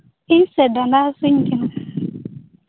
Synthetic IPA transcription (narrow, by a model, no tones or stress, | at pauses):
isedanasʊŋ̩kina